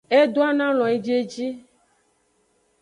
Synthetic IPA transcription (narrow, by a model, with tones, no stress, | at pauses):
e˦d̪o˦a˦nã˦lɔ̃˨e˨d͡ʒe˦d͡ʒi˦